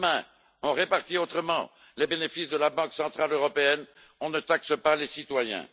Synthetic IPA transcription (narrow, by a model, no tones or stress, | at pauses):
mɛ̃ | ɔ̃ʁepaʁt̪iot̪χəmɑ̃ | lebenefisd̪əlabɑ̃ksɑ̃t̪χaløʁɔpeɛn | ɔ̃nət̪aksəpalesit̪wajɛ̰̃